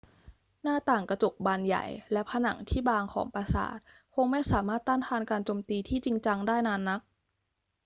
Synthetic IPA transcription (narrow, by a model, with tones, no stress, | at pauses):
naː˥˩t̪aː˨˩ŋka˧t͡ɕo˨˩k̚baː˧nja̰˨˩jlɛ˦˥pʰa˧na̰˨˩˦ŋt̪ʰiː˥˩baː˧ŋkʰɔ̰ː˩˦ŋpa˧sa̰ː˩˦t̪̚ | kʰo˧ŋma˥˩jsaː˩˦maː˥˩t̪ːaː˥˩nt̪ʰaː˧nkaː˧nt͡ɕoː˧mt̪iː˧t̪ʰiː˥˩t͡ɕi˧ŋt͡ɕa˧ŋdaː˥˩jnaː˧nːa˦˥k̚